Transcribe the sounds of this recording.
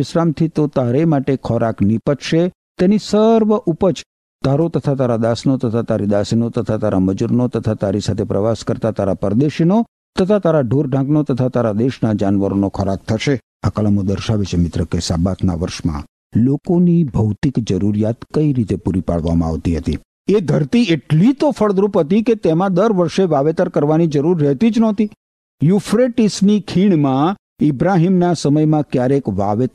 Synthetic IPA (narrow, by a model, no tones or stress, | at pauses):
ɪʃɾamt̪ʰit̪ot̪aɾemaʈekʰɔɾaknipəʈ̪ʃe | t̪enisəɾʋəʔupət͡ʃ | t̪aɾot̪ət̪ʰat̪aɾad̪asnot̪ət̪ʰat̪aɾid̪asinot̪ət̪ʰat̪aɾaməd͡ʒuɾnot̪ət̪ʰat̪aɾisat̪ʰepɾəʋaskəɾt̪at̪aɾapəɾd̪eʃino | t̪ət̪ʰat̪aɾaɖʱoɾɖʱãknot̪ət̪ʰat̪aɾad̪eʃnad͡ʒanʋəɾonokʰɔɾak̚t̪ʰəʃe | akəlamod̪əɾʃaʋet͡ʃʰemɪt̪ɾəkesabat̪ʰna̰ʋəɾʃmã̰ | lokonibʱəwt̪ikd͡ʒəɾuɾijat̪kəiɾit̪epuɾipa̰ɭʋa̰mã̰a̰ʋt̪iɦət̪ḭ | ed̪ʱəɾt̪ieʈlit̪ofəɭd̪ɾupɦət̪iket̪emãd̪əɾʋəɾʃeʋaʋet̪əɾkəɾʋanid͡ʒəɾuɾːɛɦt̪id͡ʒnɔt̪i | jufɾeʈisnikʰiɳmã | ɪbɾaɦimnasəməjmãkjaɾekʋaʋet̪